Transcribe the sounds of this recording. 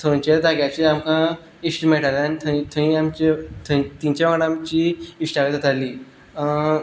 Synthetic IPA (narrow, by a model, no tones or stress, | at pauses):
t̪ʰənt͡ɕed̪aɡjat͡ɕiamkã | isʈimeʈalanit̪ʰəĩt̪ʰəĩamt͡ɕet̪ʰə̃t̪iɲt͡ɕaaɽãmt͡ɕiiʂʈaet̪at̪aliː